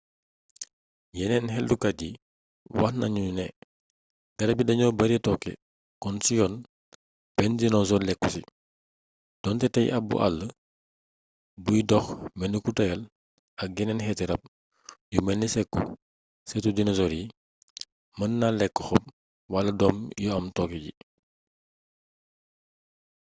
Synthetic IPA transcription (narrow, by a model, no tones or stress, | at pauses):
jɛnɛnɦɛldukɐɟi | wɐxnɐɲuunɛ | ɡ̥ɐɾɐbidɐɲɔbɐɾɛtɔkːɛ̰ | kɔnsijɔn | b̥ɛndinɔzɔlɛkːusḭ | d̥ɔntɛtɐjʔɐbṵʔɐ̰lːə | bujdɔxmɛnːikutɐjɐl | ɐk̚ɡɛnɛnhɛtɛɾɐp̚ | jumɛnːisɛkːṵ | sɛtudinɔzɔɾi | mɐnːalɛkːəxɔp̚ | wɐlɐdɔmjɔɐmtɔkːɛɟḭ